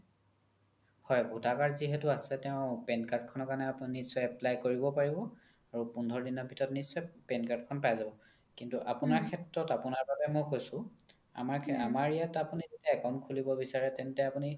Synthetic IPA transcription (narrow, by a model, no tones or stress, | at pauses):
hɔjbʱutakaɹziɦɛtuasɛtɛʊ̃pɛnkaɹt̚kʰɔnɔkanɛnisɔjɛplajkoɹibɔpaɹibɔ | aɹupundʱɔɹdinɔbʱitʰɔtnisɔjpɛnkat̚kʰɔnpajzabɔ | kintuʔapunaɹkʰɛtɹɔtapunaɹbabɛmojkojsʊ̃ | a̰maɹʰa̰maɹijatapunizitaɛkɔnkʰulibɔbisaɹɛtɛntɛapuni